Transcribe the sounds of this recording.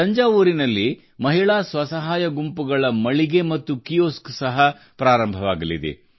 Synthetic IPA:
ɐɲd͡ʒaːʋuːɾinɐlːi | mɐɦiɭaːsʋɐsɐɦaːjɐɡumpuɡɐɭɐmɐɭiɡe̞mɐt̪ːukijoːsksɐɦɐ | pɾaːɾɐmbʱɐʋaːɡɐlid̪ḛ

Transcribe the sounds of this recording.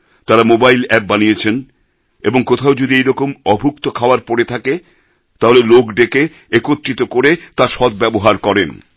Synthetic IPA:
t̪aɾamobajlɛp̚banijet͡ɕʰen | eboŋkot̪ʰaod͡ʑod̪iejɾɔkomɔbʱuk̚t̪okʰaoaɾpɔɾet̪ʰake | t̪aɦolelokɖeke | ekot̪ːɾit̪okoɾet̪aʃɔd̪bɛboɦaɾkɔɾen

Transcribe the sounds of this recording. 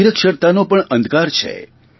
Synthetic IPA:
iɾəkʃəɾt̪anopəɳʔənd̪ʱkaɾt͡ʃʰḛ

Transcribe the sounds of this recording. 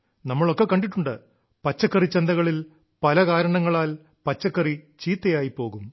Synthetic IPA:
nɐmːɐɭo̞kːe̞kːɐɳɖiʈːuɳɖɨ | pɐt͡ɕːɐkːɐrit͡ɕːend̪ɐɣɐɭil | pɐlɐkaːɾɐɳɐŋːɐɭaːl | pɐt͡ɕːɐkːɐrit͡ɕiːt̪ːɐjaːjipːo̞ːɣum

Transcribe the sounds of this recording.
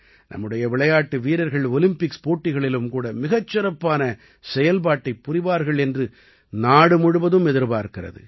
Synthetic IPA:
nʔɐ̰mːɯɽɐjɐʋɪɭɐjaːʈːɯʋiːɾɐɾɣɐɭɔlɪmpɪkspoːʈːɪɣɐɭɪlɯmkuːɽɐmɪɣɐt͡ʃːɪrɐpːaːnɐ | sɛjɐlp̬aːʈːɐɪpːʊrɪʋaːɾɣɐɭɛndrɯ | naːɽɯmʊɽɯʋɐðɯmɛðɪɾpaːɾkɪrɐ̰ðɯ̰

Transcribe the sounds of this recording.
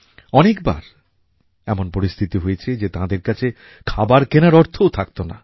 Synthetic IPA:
ɔnekba̰ɾ | ɛmonpoɾist̪ʰit̪iɦojet͡ɕʰed͡ʑet̪ãd̪eɾkat͡ɕʰe | kʰabaɾkenaɾɔɾt̪ʰowt̪ʰak̚t̪ona̰

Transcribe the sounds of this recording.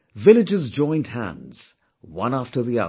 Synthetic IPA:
vɪlˠɨd͡ʒɨzd͡ʒɔ̃ɪ̃nd̚hæ̰̃ndz̥ | wʌ̰̃næftə˞ðiʌ̰ð

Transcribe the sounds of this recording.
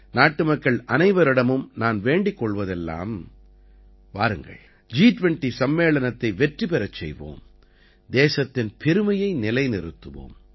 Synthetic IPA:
naːʈːɯmɐkːɐɭʔɐnɐɪʋɐɾɪɽɐmɯmnaːnʋeːɳɖɪkːɔɭʋɐðɛlːa̰ːm | ʋa̰ːɾɯŋɡɐ̰ɭ | d͡ʒiːʈʋɛɳʈisɐmːeːɭɐnɐt̪ːɐɪʋɛʈripɛɾɐt͡ʃːɛ̰jʋo̰ːm | d̪eːsɐt̪ːɪnpʰɛɾɯmɐjɐɪnɪlɐɪnɪɾɯt̪ːɯʋo̰ːm

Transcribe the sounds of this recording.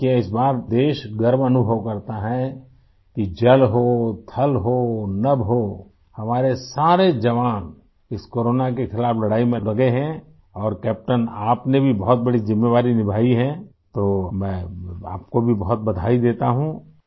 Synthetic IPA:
kiɪsbaːɾd̪eːʃɡɐɾmɐnʊbʱəʋkɐɾt̪aɦɛ | kid͡ʒɐlɦot̪ʰɐlɦoːnɐbɦoː | hɐmaːɾesaːɾed͡ʒɐʋaːn | ɪskoːɾoːnakexɪlaːflɐɽaːimẽlɐɡeɦɛ̃ | ɔːɾkɛːp̚ʈənaːpnebʱibɔɦʊt̪̚bɐɽizɪmːeːʋaːɾinɪbʱaːiɦɛ̃ | t̪oːmɛ̃a̰ːp̚kobʱibɐɦʊt̪̚bɐd̪ʱaːid̪eːt̪aɦũ

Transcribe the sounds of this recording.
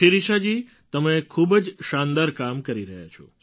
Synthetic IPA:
iɾiʃad͡ʒi | t̪əmekʰubd͡ʒʃãnd̪aɾkamkəɾiɾəɦja̰t͡ʃʰo̰

